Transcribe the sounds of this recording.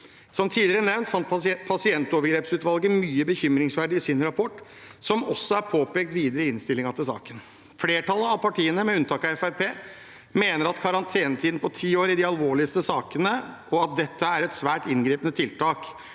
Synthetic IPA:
sɔmt̪ʰiːd̪ɪɾənɛʋnt̪fɑnt̪pʰɑsɪɛnt̪ɔʋəɾɡɾeːpsʉːt̪ʋɑlɡəmyːəbəçʏmɾɪŋsʋæɖɪɪsɪnɾɑpʰɔʈː | sɔmɔsːɔæɾpʰoːpeːɡ̚t̪ʋiːd̪əɾəɪnst̪ɪlːɪŋɑt̪ɪlsɑ̰ːkən | fleːʈʰɑlːəɑʋpʰɑʈiːənəmɛʉnt̪ɑːkɑɛfæɾpʰeː | meːnəɾɑt̪kʰɑɾɑnt̪ʰeːnət̪ʰiːd̪n̩pʰɔt̪ʰiːoːɾɪd̪ɪɑlʋoːɭɪəst̪əsɑːkənəɔɑt̪̚d̪ɛt̪ːəæɾɛt̪sʋæːʈɪnɡɾiːpənət̪ʰɪlt̪ʰɑːk

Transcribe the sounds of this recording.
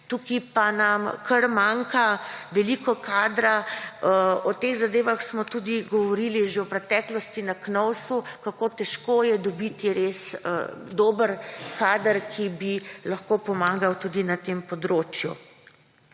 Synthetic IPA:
t̪ukipanamkʰɐɾmaŋkaʋɛlikɔkaːd̪ɾaəɔt̪exzad̪eːʋaxsmɔt̪ud̪iɡɔʋɔɾiliʒewpɾɛt̪ɛːklɔst̪inaknɔwsukakoːt̪ɛʃkoːjɛd̪ɔbit̪iɾesə̰d̪oːbəɾkaːd̪əɾkʰibilɐxkopɔmaːɡawt̪ud̪inat̪empɔd̪ɾoːt͡ʃjṵ

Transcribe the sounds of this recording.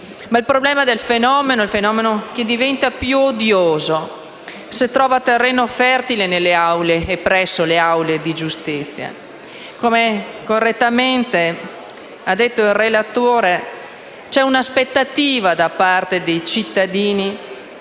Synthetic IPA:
mailpɾoblɛːmad̪elfenɔːmenoilfenɔːmenok̟ed̪ivɛnt̪apjuod̪joːzo | set̪ɾɔːvat̪erːɛːnofɛrt̪ilenelːeawleːpːɾɛsːoleawled̪id͡ʒust̪it̪sːja̰ | komekorːet̪ːament̪e | ad̪ːet̪ːoilrelat̪oːɾe | t͡ʃɛunaspet̪ːat̪iːvad̪apart̪ed̪ejt͡ʃit̪ːad̪iːni

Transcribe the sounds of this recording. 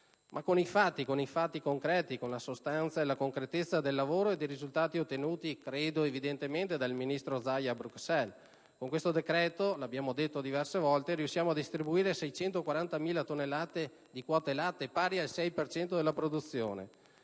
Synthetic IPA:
mʔakːonifat̪ːikonifat̪ːikoŋkɾɛːt̪ikonlasost̪ant̪saelakoŋkɾet̪et̪sːad̪elːavoːɾoed̪ejɾizult̪aːt̪iot̪ːenuːt̪ikɾeːd̪oevid̪ent̪ement̪ed̪alminist̪ɾod̪zajabɾuksɛl | koŋkwest̪od̪ekɾɛːt̪oloabjaːmod̪et̪ːod̪ivɛrsevɔlt̪eɾiusːjaːmoad̪ist̪ɾibuiːɾesɛjt͡ʃɛnt̪okwaɾant̪amiːlat̪onːelːaːt̪e | d̪ikwɔt̪elaːt̪epaːɾialsɛjpert͡ʃɛnt̪od̪elːapɾod̪ut̪sːjo̰ːnḛ

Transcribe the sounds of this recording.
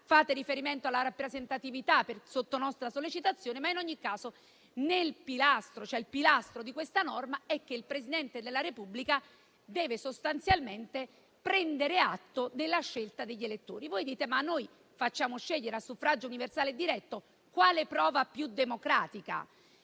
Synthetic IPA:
faːt̪eɾifeɾiment̪oalːaɾapːɾezent̪at̪ivit̪apersot̪ːonɔst̪ɾasolːet͡ʃit̪at̪sːjoːnemainɔɲːikːaːzo | nelpilast̪ɾot͡ʃoɛilpilast̪ɾod̪ikwest̪anɔrmaɛk̟ːeilpɾesid̪ɛnt̪ed̪elːaɾepublika | d̪ɛːvesost̪ant̪sjalment̪e | pɾɛnd̪eɾeat̪ːod̪elːaʃːelt̪ad̪eʎːelet̪ːo̰ːɾivojd̪iːt̪emanːoj | fat͡ʃːaːmoʃːeʎːeɾeasːufɾad͡ʒouniversaːled̪iɾɛt̪ːo | kwaːlepɾɔːvapjud̪emokɾaːt̪ika̰

